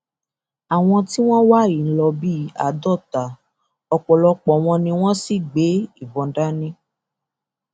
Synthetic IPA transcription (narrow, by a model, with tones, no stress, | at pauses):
a˨w̃ɔ̃˧ti˦w̃ɔ̃˦wa˦i˨n̩˦lɔ˧bi˦a̰˨dɔ˦˨ta˨ | ɔ˧k͡pɔ˨lɔ˧k͡pɔ˨w̃ɔ̃˧nĩ˧w̃ɔ̃˦si˦˨ɡ͡be˨˦i˦˨bɔ̃˨˧n̩˦da˦nĩ˦